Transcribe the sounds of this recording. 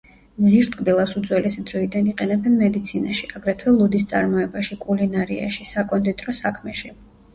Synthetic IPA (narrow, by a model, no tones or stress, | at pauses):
d̪ziɾt̪ʼqʼbilˠasud̪zwɛlisd̪ɾɔid̪aniqʼɛnɛbɛnmɛd̪it̪sʰinaʃiaɡɾɛt̪ʰwɛlˠud̪ist̪sʼaɾmɔɛbaʃikʼulinaɾḭa̰ʃisakʼɔnd̪it̪ʼɾɔsakʰmɛʃi